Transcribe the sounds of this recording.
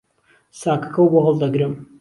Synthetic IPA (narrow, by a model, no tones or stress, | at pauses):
saːkɐ̥kʰɐwboɦɐlˠd̪ɐɡɾɨm